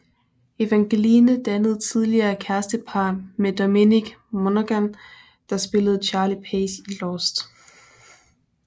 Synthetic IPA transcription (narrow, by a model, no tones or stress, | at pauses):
e̝ʋæŋɡ̥e̝liːnəd̥ænəð̞̩ˠt͡sʰið̞ˠliɐːækʰæɐsd̥əpʰɑ̈ːnmed̥omeniɡ̥monæɡ̥æn | d̥ɑ̈sb̥e̝ləð̞̩ˠt͡ɕʰɑ̈ːlipʰeːsilɒsd̥